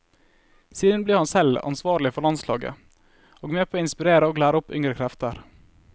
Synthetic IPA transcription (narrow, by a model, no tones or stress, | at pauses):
siːd̪ənbliːhɑnsɛlɑ̰nsʋɑːɾɭɪfɔɭɑnslɑːɡə̰ | ʔoːɡmeːpʰoːɪnspɪɾeːɾəoːɡlæːɾəʊpʏŋɾəkʰɾɛft̪əɾ